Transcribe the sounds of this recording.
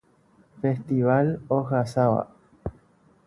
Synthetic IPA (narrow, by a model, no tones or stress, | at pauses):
fest̪iβaloɣasawa̰